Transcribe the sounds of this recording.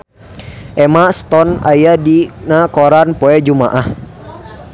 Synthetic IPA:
ʔɛmast̪ɔna̰jadinakɔɾanpoɛd͡ʒuma̰ʔah

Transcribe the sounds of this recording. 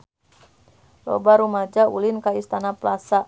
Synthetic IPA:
lɔ̰baɾumad͡ʒaulɪnkaist̪anaplasa

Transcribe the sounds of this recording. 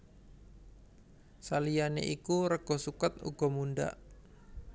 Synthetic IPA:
salijanḛʔikuɾəɡ̥ɔ̤sukət̪̚ṵɡ̥ɔ̤munɖa̰ʔ

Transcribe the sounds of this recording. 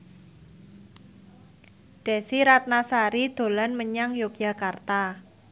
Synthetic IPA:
ɖ̥ɛ̤siɾat̪̚nasaɾid̪̥o̤lanməɲaŋjokjakart̪a

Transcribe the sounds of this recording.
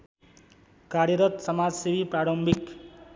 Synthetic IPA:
kaɾjʌɾʌt̪sʌmad͡zsibipraɽʌmbik

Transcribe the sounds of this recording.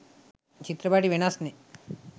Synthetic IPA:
t͡ʃit̪ɾɐbaːʈiʋiɳaːsne

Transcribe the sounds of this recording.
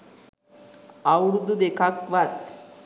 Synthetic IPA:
awɾud̪ud̪ekʰakʋat̪

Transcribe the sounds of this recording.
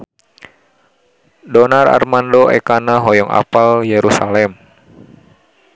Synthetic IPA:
dɔnara̰rmandoʔɛ̰kanaɦɔjɔŋa̰paljeɾusalɛm

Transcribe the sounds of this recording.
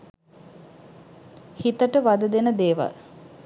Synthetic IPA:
hit̪əʈəʋad̪əd̪enəd̪eːʋa̰l

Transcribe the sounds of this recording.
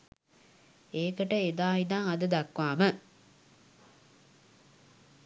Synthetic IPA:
eːkəʈəed̪aːid̪aŋad̪əd̪akʋaːmə

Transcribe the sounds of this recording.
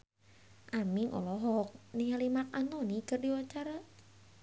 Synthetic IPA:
ʔamiŋʔɔ̰lɔɦɔk̚nialimak̚anɔnikərdiwaɲt͡ʃaɾa

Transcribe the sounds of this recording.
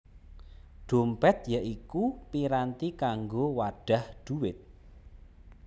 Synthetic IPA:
ɖ̥o̤mpɛt̪jaʔikupiɾant̪ikaŋɡowaɖ̥a̤hɖ̪̥uwɪt̪̚

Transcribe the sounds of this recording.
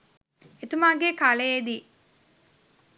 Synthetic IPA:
et̪umaːɡekaleed̪iː

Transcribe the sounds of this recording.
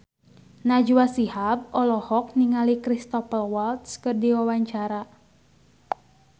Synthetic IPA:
nad͡ʒuasihab̚ɔlɔhɔk̚niŋalikɾist̪ɔpəlwalt̪̚skɨrdiwawaɲt͡ʃaɾa

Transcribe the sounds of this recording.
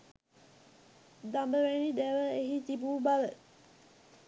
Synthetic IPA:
d̪ambəʋænid̪æʋəeɦit̪ibuːbalə

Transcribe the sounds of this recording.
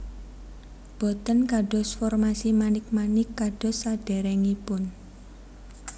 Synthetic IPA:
b̥ɔ̤t̪ənkaɖ̥ɔ̤sfɔrmasimanɪk̚manɪkːaɖ̥ɔ̤sːaɖ̥ɛ̤ɾɛŋipʊn

